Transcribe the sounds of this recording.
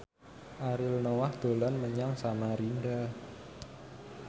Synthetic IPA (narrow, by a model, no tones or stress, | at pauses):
ʔaɾɪlnowahd̪̥o̤lanməɲaŋsamaɾinɖa